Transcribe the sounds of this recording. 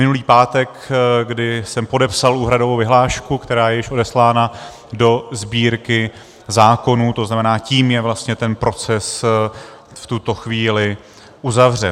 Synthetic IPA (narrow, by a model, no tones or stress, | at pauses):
mɪnuliːpaːt̪ɛk | ɡdɪsɛmpo̞dɛpsaluːɦɾado̞vowvɪɦlaːʃkukt̪ɛɾaːjɛjɪʃʔo̞dɛslaːna | do̞zbiːɾkɪ | zaːko̞nuːt̪o̞znamɛnaːciːmjɛvlast̪ɲɛt̪ɛnpɾo̞t͡sɛs | ft̪ut̪o̞xviːlɪ | ʔuzavr̝ɛn